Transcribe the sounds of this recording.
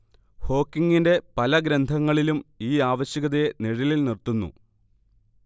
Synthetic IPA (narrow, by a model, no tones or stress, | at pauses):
ho̞ːkːiŋːinde̞pɐlɐɡɾɐnd̪ʱɐŋːɐɭilumiːaːʋɐɕjɐɣɐðeniɻililnirt̪unːṵ